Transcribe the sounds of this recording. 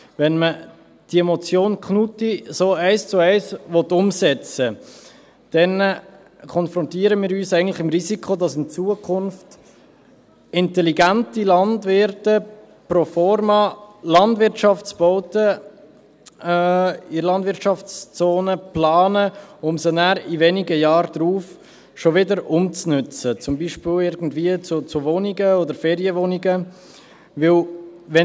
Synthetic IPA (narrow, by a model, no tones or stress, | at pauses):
vɛnmə | d̥iɛmɔt͡sjoːnkχnutisoːæɪst͡sʊɛɪsvɔt̪ːʊmsɛt͡sə | d̥ɛn | kʰɔnfɾɔntiːəɾəmiːɾyːsɛɪəntlɪχɪmɾizikʰodɑsɪnt͡suːəkʰʊnft | ɪntɛliɡæntilɑndvʋɪɾtə | profɔɾmɑlɑndvɪɾtʃɑft͡sb̥ɔʊtə | ilɑndvɪɾtʃɑft͡st͡soːnəplɑːnəʊmsənæːɾivɛniɡəjɑːɾd̪̥ɾuːf | ʃovɪdəɾʊmt͡snʉt͡sət͡sʊmbiːʃpɪlɪɾɡn̩dviːət͡sʊt͡sʊvonɪɡəɔdəɾfɛːɾjəvɔniɡə | vɪlʋɛ